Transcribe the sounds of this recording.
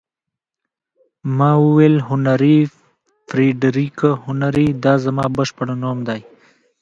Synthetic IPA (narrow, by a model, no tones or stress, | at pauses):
mɑːwuweːlɦʊnaɾi | fɾiɖɾikahʊnaɾid̪ɑːzamɑːbəʃpəɽanoːmd̪aːj